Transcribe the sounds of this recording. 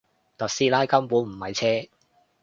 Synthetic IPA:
t̪ɐ˨t̚siː˥laː˥jkɐ˥mpuː˨˥nm̩˨˩mɐ˨jt͡sʰɛː˥

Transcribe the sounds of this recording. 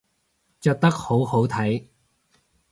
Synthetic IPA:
t͡ʃœː˨˧k̚t̪ɐ˥k̚ho˨˥who˨˥wt̪ʰɐ˨˥j

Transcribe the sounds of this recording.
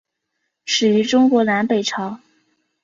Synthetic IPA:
ʂɻ̩˨˩y˧˥ʈ͡ʂʊ˥ŋkwɔ˧˥na˧˥npe˨˩ɪʈ͡ʂʰɑ˧˥ʊ

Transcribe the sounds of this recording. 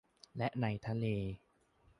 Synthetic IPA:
lɛ˦˥ʔna˧jt̪ʰa˧leː˧

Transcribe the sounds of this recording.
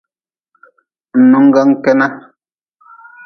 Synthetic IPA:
n̩˨nu˨ŋ̩˦ɡa˦ŋ̩˦kɛ˦na˦

